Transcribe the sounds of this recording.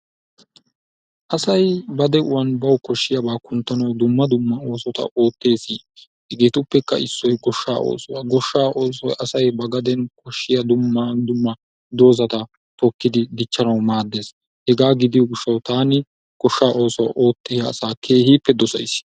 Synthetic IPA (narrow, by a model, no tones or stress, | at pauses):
ʔɐsɐjbɐd̪ɛʔʊwɐnbɐwkɔʃːɪjɐbaːkʊnt̪ːɐnɐwd̪ʊmːɐd̪ʊmːɐo̞ːsɔt̪ɐ̰ʔo̞ːt̪ːe̞ːsi | hɛɡeːt̪ʊpːɛkːɐ̰ʔɪsːɔjɡɔʃːaːo̰ːsɔwɐɡɔʃːaːʔoːs̬ɔjʔɐsɐjbɐɡɐd̪ɛnkɔʃːɪjɐd̪ʊmːɐd̪ʊmːɐ | d̪o̞ːzɐt̪ɐ | t̪ɔkːɪd̪ɪd̪ɪt͡ʃːɐnɐwmaːd̪ːe̞ːs | hɛɡaːɡɪd̪ɪjɔɡɪʃːɐwt̪aːnɪ | ɡ̥ɔʃːaːʔo̞ːsɔwɐ̰ʔo̞ːt̪ːɛjɐːsaːkʰe̞ːhiːpːɛd̪ɔsɐ̰js